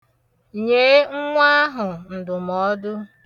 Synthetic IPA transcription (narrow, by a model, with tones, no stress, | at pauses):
ɲe˨˦ŋ̩˦ŋʷa˦a˦ɦʊ˨n̩˨dʊ˨mɔ˦dʊ˦